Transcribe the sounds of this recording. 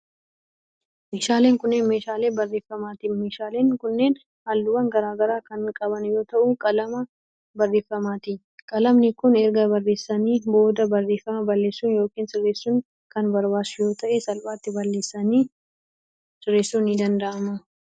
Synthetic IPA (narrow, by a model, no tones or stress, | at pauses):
meːʃaːle̞ːŋkʊnːeːnme̞ːʃaːleːbɐrːe̞ːfːɐmaːt̪ɪme̞ːʃaːleːŋkʊnːe̞ːn | halːʊwɐŋɡɐɾaːɡɐɾaːkɐnkʼɐbɐnjo̞ːt̪ɐʔʊkʼɐlɐmɐ | bɐrːe̞ːfːɐmaːt̪ɪ | kʼɐlɐmnɪkʊnɛɾɡɐbɐrːe̞ːsːɐniːbo̞ːd̪ɐbɐrːe̞ːfɐmɐbɐlːe̞ːsːuːnjoːkiːnsɪrːeːsːuːn | kɐnbɐɾbaːsʊjo̞ːt̪ɐʔɛsɐlfaːt̪ːɪbɐlːe̞ːsːɐniː | sɪrːe̞ːsːuːnɪd̪ɐnd̪ɐʔɐmɐ